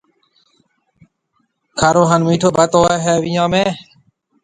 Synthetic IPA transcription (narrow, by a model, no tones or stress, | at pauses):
kʰaːɾoːɦənmiːʈʰoːbət̪oːeɦeːʋɪjãːmẽː